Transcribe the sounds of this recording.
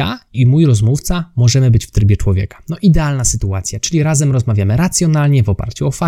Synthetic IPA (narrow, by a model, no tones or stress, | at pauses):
a̰imujɾɔzmuft̪samɔʐɛmɘbɘt͡ɕft̪ɾɘbʲjɛt͡ʂwɔvʲjɛ̰kḁnɔʔid̪ɛalnasɘt̪uat̪sʲjat͡ʂɘlʲiɾazɛmɾɔzmavʲjamɘɾat̪sʲjɔnalɲɛvɔpa̰ɾt͡ɕuɔfa